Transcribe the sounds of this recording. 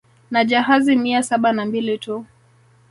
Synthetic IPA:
nad͡ʒaɦazimiasaɓanambilitu

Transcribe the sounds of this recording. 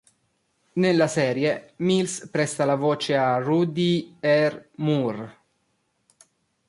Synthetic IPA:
nelːasɛːɾjemilspɾɛst̪alavoːt͡ʃearud̪iɛrmur

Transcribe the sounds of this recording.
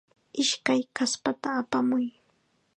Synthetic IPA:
ɪʃkajkaspat̪aːpamʊj

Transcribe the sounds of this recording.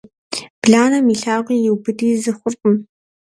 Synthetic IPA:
b̥ɮaːnɐmiːɬaːʁʷiːjɪwbɨdiːzɨχʷʊrqʷʼʊm

